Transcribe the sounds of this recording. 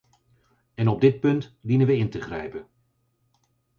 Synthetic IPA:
ɛnɔb̚dɪt̚pɵntdinənʋəɪntəχrɛjpən

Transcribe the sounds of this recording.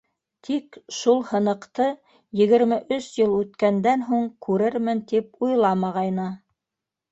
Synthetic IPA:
t̪ʰikʃulˠhɤ̆nɤ̆qt̪ɤ | jɘ̆ɣɘ̆ɾmɘʔɵʃjɤlˠʉt̪kænd̪ænɦuɴkʰʉɾɘɾmɘnt̪ip̚ujlˠɑmɑʁɑjnɤ

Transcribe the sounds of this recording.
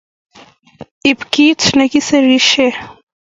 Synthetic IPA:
ipkit͡sʰnɐkisɐɾiʃe

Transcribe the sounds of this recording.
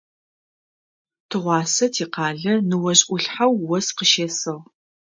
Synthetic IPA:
tʰɨʁʷɑːsɐtʰiːqɑːɮɐnɨwɐɕʼʔʷʊɬħawːɔsqəʃeːsɨʁ

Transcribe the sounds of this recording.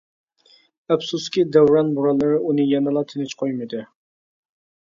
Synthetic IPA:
æpsuskʲid̪æwɾɑnbuɾɑlˠːɨɾɨʔunɨjɛnɨlˠɑt̪ʰɪnɪt͡ʃqʰojmɨd̪ɨ

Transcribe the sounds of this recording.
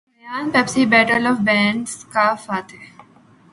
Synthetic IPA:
mjaːnpɛpsiːbɛːʈəlɔːʋbɛ̃ːɳɖskaːfaːt̪e

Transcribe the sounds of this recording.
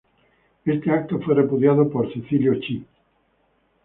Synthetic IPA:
est̪eak̚t̪ofwerepuðjaðopoɾsiθiljot͡ʃi

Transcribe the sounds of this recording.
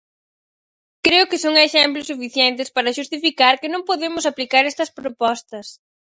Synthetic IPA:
kɾeʊkɪsoŋeʃɛmplʊsufiθjɛnt̪ɪspaɾɐʃust̪ifikaɾkɪnõŋpoðemʊsaplikaɾɛst̪ɐspɾopɔst̪ɐs

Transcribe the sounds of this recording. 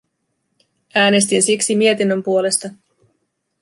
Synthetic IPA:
æːne̞s̬t̪insiksimie̞t̪inːø̞mpuo̞le̞st̪ɑ

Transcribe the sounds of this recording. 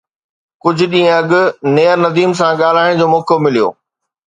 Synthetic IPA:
kʊd͡ʑʱʊ̆ɗĩːə̃ɐɠʊ̆neːəɾnɐd̪iːms̬ãɠaːl̤aːɪɽ̃d͡ʑoːmoːkomɪlijo̰ː

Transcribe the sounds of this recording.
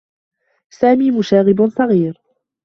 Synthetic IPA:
saːmiːmʊʃaːɣɪbsˤɑɣiːɾ

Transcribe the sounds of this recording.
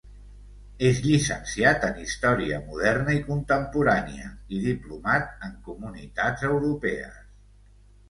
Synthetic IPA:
ezʎisənsiat̪ənist̪ɔɾiəmuð̞ɛrnəikunt̪əmpuɾanḭə̰iðiplumat̪̚əŋkumunit̪ad͡zəwɾupɛə̰s

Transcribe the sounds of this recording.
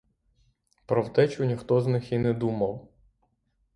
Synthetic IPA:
pɾɔwt̪ɛt͡ʃʊnʲixt̪ɔznɪxinɛd̪umɐw

